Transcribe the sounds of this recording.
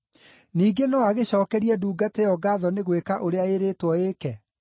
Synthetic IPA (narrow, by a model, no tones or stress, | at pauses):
niːɡenɔaɣeɕɔːkɛɾiɛduːɡatejɔɡaːðɔneɣwekaʔoɾeaeɾeːtwɔeːkɛ